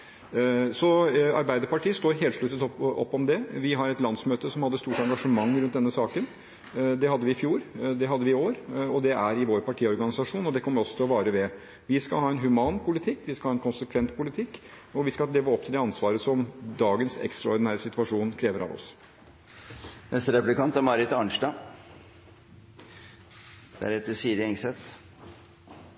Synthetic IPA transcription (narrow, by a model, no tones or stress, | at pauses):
sɔɑ̰ɾbæɪd̪əɾpɑʈiːəst̪oːɾɦeːlʂɭʉt̪ːət̪ɔɔ̰pːɔmd̪ɛʋɪɦɑɾɛt̪lɑnsmøːt̪əsɔmhɑd̪ːəst̪uːʈɑŋɡɑʂəmɑŋːɾʉnt̪̚d̪ɛnːəsɑːkən | d̪ɛhɑd̪ːəʋɪɪfjuːɾd̪ɛɦɑd̪ːəʋɪɪoːɾɔd̪ɛʔæɾɪʋoːɾpʰɑʈʰiːɔɾɡɑnɪsɑʂuːnɔd̪ɛkʰɔmːəɾɔsːɔt̪ɪlɔʋɑːɾəʋɛ | ʋɪskɑ̰lɦɑːɛnɦʉmɑːnpʰʊlɪt̪ʰɪkːʋɪskɑɑːɛnkʰʊnsəkʰʋɛnt̪̚pʰʊlɪt̪ʰɪkː | ɔʋɪskɑleːʋəɔp̚ːt̪ɪld̪ɛɑnsʋɑːɾəsɔmd̪ɑːɡənsɛ̰kst̪ɾɑɔɾɖɪnæːɾəsɪt̪ʋɑʂuːnkʰɾeːʋəɾʔɑ̰ʋɔ̰s | nɛst̪əɾɛplɪkʰɑnt̪æmɑɾɪt̪ɑɳʂʈɑ | d̪æ̰ɾɛt̪ːəsiːd̪ɪɛŋsɛt̪